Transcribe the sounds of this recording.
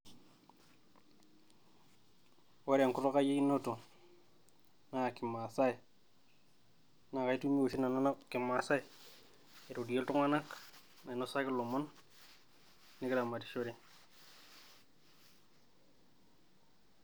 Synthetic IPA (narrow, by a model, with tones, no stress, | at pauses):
wa˦ɾja˨ŋku˦to˦ka˦je˦i˦nːo˦to˨ | na˦˨ki˨ma˨sa˦i˨ | na˨ka˨˦i˦tu˦mi˦o˨ʃi˦na˨na˦na˦ki˨ma˨sa˦i˨ | e˨ɾo˨di˨je˦ltu˦ŋa˦na˦k | na˨i˨no˦sa˦ki˦lo˨mo˦n | ni˦ki˦la˨ma˨ti̥˨ʃo˦ɾe˦